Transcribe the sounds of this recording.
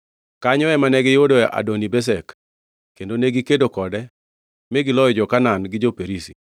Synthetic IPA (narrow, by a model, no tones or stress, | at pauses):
kaɲɔɛmanɛɡɪjodoɛʔa̰donibɛs̬ɛk | kendoneɡikedokɔdɛ | meɡɪlɔjɔd͡ʒɔkananɡɪd͡ʒopeɾisi